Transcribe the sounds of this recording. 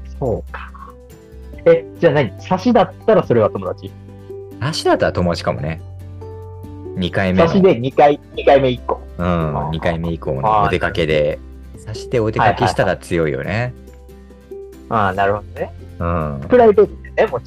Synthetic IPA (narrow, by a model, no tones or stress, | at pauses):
so̞ːkḁ | ed͡ʑaːnaɲ̟isaɕid̪at̪ːaɾaso̞ɾe̞β̞at̪o̞mo̞d̪at͡ɕi | saɕid̪at̪ːaɾat̪o̞mod̪at͡ɕi̥kamo̞̰ne̞ | ɲ̟ikaimeaɕid̪e̞ɲ̟ikaiɲ̟ikaime̞ikːoːɯ̟̃ːɲ̟ikaime̞ikːo̰ːnoot̪e̞kake̞d̪e̞ | saɕid̪e̞o̞t̪e̞akakeɕi̥t̪aɾat͡sɨjo̞ḭjo̞̰ne | aːnaɾɯ̟ho̞d̪one | ɯ̃ːpɯ̟ɾaibet̪id̪enemo